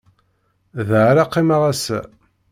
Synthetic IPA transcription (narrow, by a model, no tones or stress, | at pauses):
ðʕɾaqːimaʁæsæ̰